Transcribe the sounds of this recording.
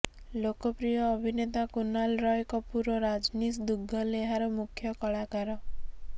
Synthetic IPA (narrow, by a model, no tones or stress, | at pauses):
lokɔpɾijɔːbʱinet̪akunalɾɔjkɔpuɾɔɾad͡ʒnisd̪uɡʱːɔleɦaɾɔmukʰjɔkɔɭakaɾɔ